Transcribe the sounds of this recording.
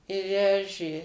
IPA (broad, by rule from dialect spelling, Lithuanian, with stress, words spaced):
ɪ ˈʋʲæːʒʲeː